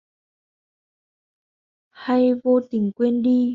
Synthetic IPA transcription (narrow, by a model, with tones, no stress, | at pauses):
ha˧jvo˧t̪ï˨˩˦ŋ̟kwɛ˧nɗi˧